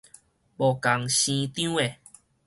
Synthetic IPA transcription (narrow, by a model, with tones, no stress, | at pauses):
bo˨ka˨˦ŋɕĩ˧t̪j̃e˨